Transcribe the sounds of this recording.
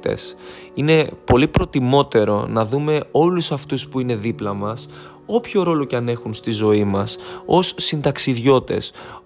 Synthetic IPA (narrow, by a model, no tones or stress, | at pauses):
t̪e̞̰s | ine̞po̞lipɾo̞t̪imo̞t̪e̞ɾo̞̰nɐðume̞o̞lusɐft̪uspuine̞ðiplɐmɐs | o̞pço̞ɾo̞lo̞cɐne̞xunst̪izo̞imɐso̞sːind̪ɐksiðʝo̞t̪e̞̰s